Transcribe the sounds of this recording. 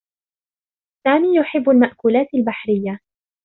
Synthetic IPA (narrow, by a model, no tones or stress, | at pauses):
saːmiːjʊħɪbːalmaʔkuːlaːt̪albaħɾɪjːa